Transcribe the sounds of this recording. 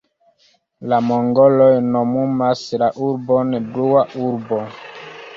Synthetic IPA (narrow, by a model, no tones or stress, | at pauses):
lamoŋɡolojnomumaslaʔuɾbonbluwaʔuɾbo